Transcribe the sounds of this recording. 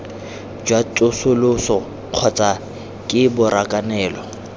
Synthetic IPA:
d͡ʒwatʼʊsʊlʊsɔ | q͡χʰɔt͡sʼa | kʼɪbʊɾakʼanɛːlɔ

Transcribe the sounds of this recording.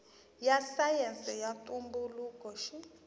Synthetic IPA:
jasajɛnsʼɛjatʼumbuluːkɔʃi

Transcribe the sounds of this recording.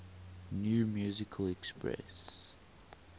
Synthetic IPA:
njuːmjuːzɪkʰəlɛkspɹɛ̰s

